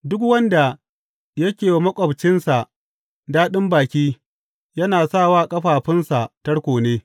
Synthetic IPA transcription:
dʊ˦kwɐ˦nda˨ | jɐ˦kʲeː˨mɐ˦kʷʼɔ˨bt͡ʃɪ˦nsa˨ʔ | daː˦ɗɪ˦mbaː˨kʲiː˦ | jɐ˦naː˨sa˦˨waː˦kʼɐ˦ɸaː˨ɸɪ˦nsa˨tɐ˦ɽkʷoː˨neː˦

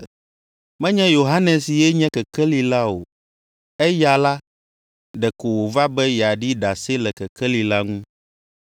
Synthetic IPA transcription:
mɛ̃˦ɲɛ̃˦jo˨ɦa˦nɛ̃˨si˨jɛ˦ɲɛ̃˦kɛ˨kɛ˦li˨la˦o̰˨ | ɛ˦ja˨la˦ | ɖɛ˨ko˨wo˨va˦bɛ˦ja˨ɖi˦ɖa˨se˦lɛ˨kɛ˨kɛ˦li˨la˦ŋũ˦

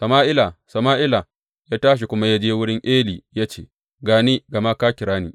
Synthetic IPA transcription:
sɐ˨maː˦ʔɪ˦la˨sɐ˨maː˦ʔɪ˦la˨ | jaː˦taː˦ʃ̬i˨kʷʊ˦ma˦ja˦d͡ʒeː˦wʊ˦ɽɪ˦ŋʔeː˦liː˨jaː˦t͡ʃeː˦˨ | ɡaː˨niː˦ɡɐ˨ma˦kaː˦kʲɪ˨ɽaː˦niː˨

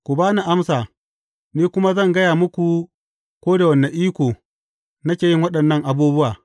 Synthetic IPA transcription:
kʷu˨baː˦na˨ʔa˦msaː˨ | niː˦kʷʊ˦ma˦zɐ˦˨ŋɡɐ˦jaː˨mʊ˦kʷu˨ | kʷoː˦da˨wɐ˨nːa˨ʔiː˦kʷoː˨ | nɐ˦kʲeː˨jɪ˦ŋwɐ˦ɗɐ˨nːɐ˦ŋʔa˨buː˦bʊ˦waː˨

